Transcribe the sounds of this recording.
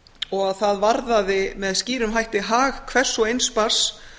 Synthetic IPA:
ɔɣaðθaðvaɾðaðɪmɛðsciːɾʏmɦajht̪ɪɦaːɣkʰvɛr̥sɔejnspar̥s

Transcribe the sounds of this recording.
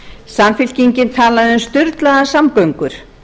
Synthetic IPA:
samfɪl̥ciɲcɪnt̪ʰaːlaðɪʏmst̪ʏɾt̪laðasamkœwŋkʏɾ̥

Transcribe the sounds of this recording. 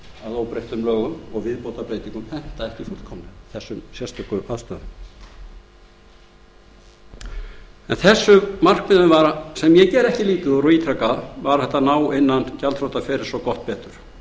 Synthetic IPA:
aðoːwpɾejht̪ʏmlœːɣʏmɔɣvɪðpoːwt̪apɾeːjt̪iŋkʏmθɛn̥t̪aɛhcɪfʊl̥t̪kʰɔmlɛɣθɛsːʏmsjɛst̪œkʏʔaðst̪aːðʏm | ɛnθɛsːʏmar̥kmɪðʏmvaɾasɛmjɛcɛːɾɛhcɪliːt̪ʏðɔɾɔiːt̪ʰɾakaðvaɾ̥θɛht̪ːanaːwɪnːancalfɾowt̪afɛːɾɪɾ̥sɔkɔht̪̚pɛːt̪ʏɾ̥

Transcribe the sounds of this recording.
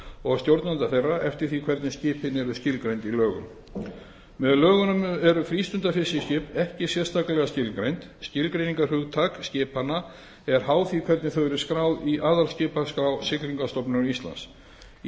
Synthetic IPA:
ɔɣst̪jowɾt̪nant̪aθejrːaʔɛft̪ɪɾ̥θikʰvɛɾt̪nɪscɪːphɪnːɪɛɾʏscɪlkɾejnt̪ilœːɣʏ̰m | mɛðlœːɣʏnʏmɛɾʏfɾiːst̪ʏnt̪afɪsːɪscɪːpɛhcɪsjɛ̥st̪aklɛɣascɪlkɾejnt̪scɪlkɾejniŋkarʏɣt̪ʰakscɪːpanːa | ɛɾ̥haːwθikʰvɛɾt̪nɪθœwɛɾɪskɾaːwðiʔaːðalscɪːpaskɾaːwsɪkliŋkast̪ɔpnʏnist̪la̰ns

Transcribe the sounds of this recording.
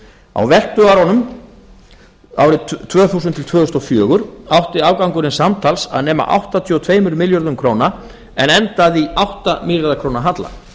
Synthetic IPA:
a̰wvɛl̥t̪ʏaɾɔnʏm | a̰ːwɾɪt̪ʰvœːθuːsʏnt̪ʰɪlt̪ʰv̥œːðʏst̪ɔfjœːɣʏɾ̥awht̪ɪaːwkawŋkʏɾɪnsamt̪ʰalsa̰ðnɛːma̰ʔa̰wht̪at̪ʰiɔt̪ʰveːjmʏɾmɪljɔɾðʏmkʰɾoːwna | ɛnɛnt̪aðiawht̪amɪljaɾðakʰɾoːwnaɦat̪la̰

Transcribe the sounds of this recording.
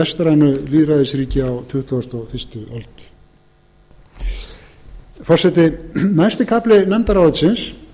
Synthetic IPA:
ɛst̪aɾanʏliːðɾaðɪsɾiːcɪawt̪ʰʏht̪ʰuast̪ɔɣfɪst̪ʏɔ̰lt̪ | fɔr̥sɛt̪ɪnajst̪ɪkʰaplɪnamt̪aɾaːwɪt̪sɪns

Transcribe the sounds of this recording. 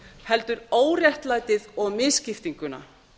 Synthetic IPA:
hɛlt̪ʏɾoːwrjɛht̪laːjt̪ɪðɔɣmɪðscɪft̪iŋkʏna̰

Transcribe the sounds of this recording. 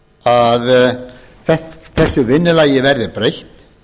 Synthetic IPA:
að | θɛht̪θɛsːʏvɪnːɪlaːjɪvɛɾðɪpɾejht̪

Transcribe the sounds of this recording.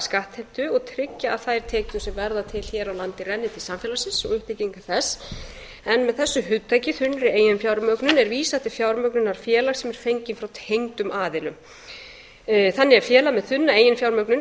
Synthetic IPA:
skaht̪hɛn̥t̪ʏɔɣt̪ʰɾɪcːaːðθajɾ̥t̪ʰeːkt̪ʏsɛmvɛɾðat̪ʰɪl̥çɛːɾawlant̪ɪrɛnːɪt̪ʰɪlsamfjɛlasɪnsɔ̰ɣʏht̪ɪciŋkḁθɛsː | ɛnmɛðθɛsːʏɦʏðt̪ʰːajcɪθʏnːɾɪeːjɪnfjawɾmœɥknʏnɛɾviːsaɛht̪ɪfjawɾmœknʏnaɾ̥fjɛːlaxsɛmɛɾ̥fejɲcɪnfɾawt̪ʰejŋt̪ʏmʔaːðɪlʏm | θanːɪafjɛːlamɛðθʏnːaeːjɪnfjawɾmœknʏn

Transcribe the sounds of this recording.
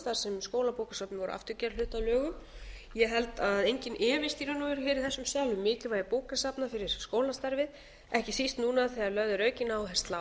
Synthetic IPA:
t̪aɾ̥sɛmskoːwlapowkasapnɪvɔɾʏ̰a̰ft̪ʏɾcɛɾlʏːt̪alœːɣʏmjɛɦɛlt̪aðejɲcɪnʔɛːvɪst̪iɾʏnuvʏɾhɛːɾɪθɛsːʏmsjaːwlʏmːɪːcɪvaːjɾɪpoːwkasapnafɪɾɪɾ̥skoːwlast̪aɾvɪð | ɛhcɪsist̪nuːnaθiaɾlœvðʏɾœːɥcɪnawɦɛ̥st̪la

